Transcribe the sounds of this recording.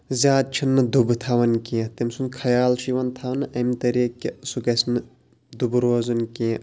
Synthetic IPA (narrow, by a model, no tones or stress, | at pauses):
zʲaːd̪̚t͡ʃʰinːɨd̪ubɨt̪ʰɐʋɐnkit̪imsunkʰɐjaːlʃiʋɐnt̪ʰɐʋɐnɨʔɐmt̪ɐɾiːkʲːisukɐsnɨ | d̪ubɾoːzɐnki